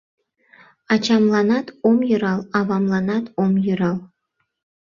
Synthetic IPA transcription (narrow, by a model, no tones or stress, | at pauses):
ɑt͡ɕɑmlˠɑnɑt̪omjɤɾɑlˠɑβɑmlˠɑnɑt̪omjyɾɑlˠ